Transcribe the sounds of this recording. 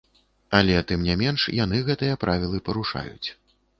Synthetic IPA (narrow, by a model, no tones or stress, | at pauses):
ɐlʲɛt̪ɨmnʲamʲɛnʂjan̪ɨɣɛt̪ɨjɐpɾʔavʲilˠɨpɐɾuʂa̰jṵt͡sʲ